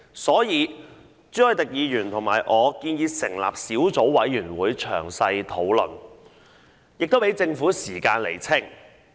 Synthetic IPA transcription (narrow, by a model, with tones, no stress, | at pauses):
sɔː˨˥jiː˨˧ | t͡syː˨˥hɔ˨˩t̪ɪ˨k̚jiː˨˧jyː˨˩nt̪ʰʊ˨˩ŋma̰ː˨˩jʔɔː˨˧kiː˧njiː˧sɪ˨˩ŋla̰ː˨p̚siː˨˥wt͡so˨˥wwɐ˨˥jjyː˨˩nwuː˨˧jt͡ʃʰœ̰ː˨˩ŋsɐ˧jt̪ʰo˨˥wlɵ̰˨˩n | jɪ˨k̚t̪o˥wpe˨˧˥jt͡sɪ˧ŋfuː˨˥siː˨˩kaː˧nlḛ˨˩jt͡sʰɪ˥˩ŋ